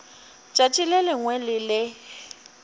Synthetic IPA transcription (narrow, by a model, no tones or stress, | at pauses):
t͡ʃʼat͡ʃʼilɛlɪŋwɛlɪlɪ